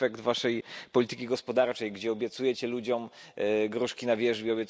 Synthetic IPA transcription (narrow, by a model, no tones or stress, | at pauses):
ɛkd̪vaʂɛjpɔlʲit̪ɘkʲiɡɔspɔd̪aɾt͡ʂɛjɡd͡ʑɛɔbʲjɛt̪sujɛt͡ɕɛlud͡ʑɔmɡɾuʂkʲinavʲjɛʐbʲjiɔbjɛt̪